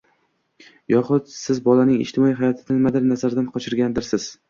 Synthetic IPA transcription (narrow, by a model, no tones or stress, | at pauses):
jɒχʊt̪sɪzbɒlanɪŋɪ̰ʃt̪ʰɪmɒiɦajɒt̪ʰɪd̪anmad̪ɪɾnazaɾd̪anqʰɒt͡ʃʰɪɾɡʲand̪ɪɾsɪz̥